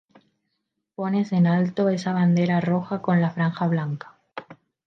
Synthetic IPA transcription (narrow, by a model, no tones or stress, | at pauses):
po̞ne̞se̞nalt̪o̞e̞saβ̞and̪e̞ɾaro̞xako̞nlafɾaŋxaβlaŋkḁ